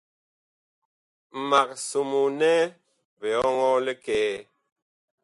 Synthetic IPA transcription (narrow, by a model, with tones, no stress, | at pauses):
m̩˨ma˨k̚su˨mu˨nɛ˦ | be˨ɔ˦ŋɔ˦le˦kɛː˦˨